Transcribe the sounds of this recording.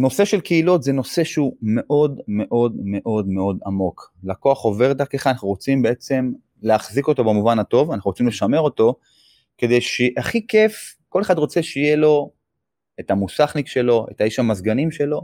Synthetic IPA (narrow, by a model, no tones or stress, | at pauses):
no̞se̞ʃe̞lkeilotzeno̞se̞ʃeume̞ʔo̞dme̞ʔo̞dme̞ʔo̞dme̞o̞damo̞klako̞aχo̞ve̞ʁd̪akeχanaχnuʁo̞t͡simbe̞e̞t͡se̞m | leaχziko̞to̞bemuvanato̞vanaχnuʁot͡simleʃame̞ʁo̞to̞ | ke̞d̪e̞jʃeʔaχike̞fko̞le̞χadʁo̞t͡se̞ʃeijelo̞ | etamusaχnikʃe̞lo̞ḛtaiʃhamazɡanimʃe̞lo̞